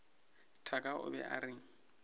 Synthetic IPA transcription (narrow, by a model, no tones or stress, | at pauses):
tʰakʼaʔʊ̰bɛ̰ʔaɾɪŋ̩